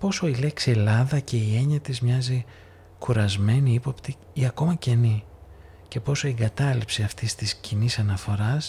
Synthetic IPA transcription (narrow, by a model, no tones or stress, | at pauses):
po̞so̞ile̞ksie̞lɐðɐce̞ie̞ɲɐt̪izmɲɐzi | kuɾɐzme̞niipo̞pt̪i | iɐko̞mɐce̞ni | ce̞po̞so̞iŋɡɐt̪ɐlipsiɐft̪ist̪iscinisɐnɐfo̞ɾɐs